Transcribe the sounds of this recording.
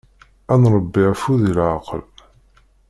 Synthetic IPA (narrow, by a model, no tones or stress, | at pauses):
ænɾˤəbːɪʕfuðilʕaqəl